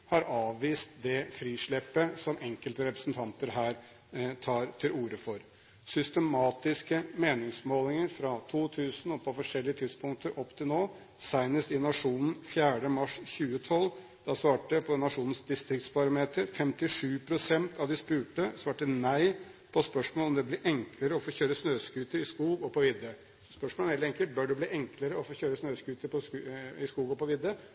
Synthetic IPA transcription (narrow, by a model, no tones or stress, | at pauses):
hɑɾɑːʋːiːst̪d̪ɛfɾiːʂɭɛpːəsɔmʔɛŋkəlt̪əɾɛpɾə̥sn̩t̪ʰɑnt̪əɾɦæːɾ | t̪ʰɑːɾt̪ʰɪluːɾəfɔɾ | sʏst̪əmɑːt̪ɪskəmeːnɪŋsmoːlɪŋəɾfɾɑt̪ʰuːt̪ʰʉːsn̩ɔpʰɔfɔʂɛlːɪət̪ʰɪd̪spʊŋk̚t̪ʰəɾʔɔpːt̪ʰɪlnoː | sæɪnəst̪ɪnɑʂuːnn̩fjæːɖəmɑʂçʉːət̪ʰɔl | d̪̥ɑsʋɑːʈəpʰɔnɑʂuːnn̩sd̪ɪst̪ɾɪkt̪spɑɾɑmeːt̪əɾfɛmt̪ɪʂʉːpʰɾʊsɛnt̪ʰɑʋd̪ɪspʉːʈəsʋɑːʈənæɪpʰɔspœʂmoɔlɔmd̪ɛblɪʔɛŋkləɾəɔfoːçøːɾəsnøːskʉːt̪əɾɪskuːɡɔpʰɔʋɪd̪ːə | sɔspœʂmɔlɛheːlt̪ɛŋkəlt̪̚bœɖɛbliːʔɛŋkʰləɾəɔfoːçøːɾəsnøːskʉːt̪əɾpʰɔɪskuːɡɔpɔʋɪd̪ːə